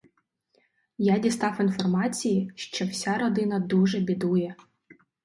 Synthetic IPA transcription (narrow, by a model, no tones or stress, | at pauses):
jadʲist̪ɑwinfɔrmɑt͡sʲijiʃt͡ʃɔwsʲaɾɔd̪ɪnɐd̪uʒɛbʲid̪ujɛ